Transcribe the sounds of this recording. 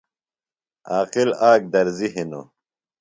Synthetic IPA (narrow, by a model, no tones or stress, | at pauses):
aːqilaːk̚d̪ɐɾziɦino̰